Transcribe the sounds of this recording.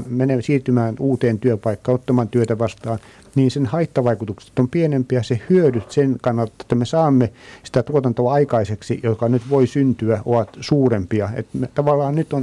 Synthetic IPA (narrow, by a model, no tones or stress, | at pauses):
menesiːrt̪ymæːnuːt̪eːnt̪yøpɑikːɑːnot̪ːɑmɑnt̪yøt̪æʋɑst̪ɑːn | niːnsenhɑit̪ːɑʋɑikut̪ukse̥t̪ːompienempiæsehyøɾyt̪senkɑnːɑlt̪ːɑe̥t̪ːæmesɑːmːesĭ̥t̪æt̪uot̪ɑnt̪oɑɑikɑiseksijot̪kɑnyt̪ʋoisynt̪yæʔoʋɑt̪suːrempiɑḛt̪met̪ɑʋɑlːɑːnnyt̪on